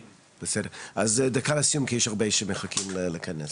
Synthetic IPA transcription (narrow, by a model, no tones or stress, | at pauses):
b̥əsɛdeazd̪akʰalasijumkʰjiʃaʁbeʃɛmeχakʰimleləkʰɐnɛs